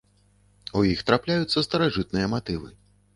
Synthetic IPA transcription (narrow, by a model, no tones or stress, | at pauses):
ujixt̪ɾaplʲajut̪sːɐst̪ɐɾaʐɨt̪̚nɨjɐmat̪ɨvɨ